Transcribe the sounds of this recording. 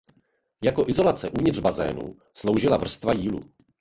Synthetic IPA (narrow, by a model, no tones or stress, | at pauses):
jako̞ʔɪzo̞lat͡sɛʔuːvɲɪd̪r̥bazɛ̰ːnṵ | slo̞wʒɪlavr̩st̪vajiːlṵ